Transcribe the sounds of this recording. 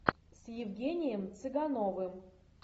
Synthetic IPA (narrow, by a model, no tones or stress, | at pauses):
sjɪvɡʲenʲɪjəmt̪sɨɡanovɨm